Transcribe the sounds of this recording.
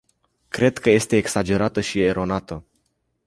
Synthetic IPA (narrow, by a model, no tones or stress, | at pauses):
kɾe̞d̪kəje̞st̪e̞ːksad͡ʒe̞ɾat̪əʃieɾo̞nat̪ə